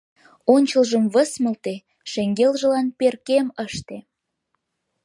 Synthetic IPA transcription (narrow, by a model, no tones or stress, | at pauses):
onʲt͡ɕəlʒəmβəsmə̆lt̪e | ʃeŋɡelʒə̆lɑnperkeməʃt̪e